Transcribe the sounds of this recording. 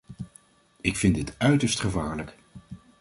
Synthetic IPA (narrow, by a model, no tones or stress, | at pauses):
ɪkfɪndɪtœɥtəɹstχəvaːɹlək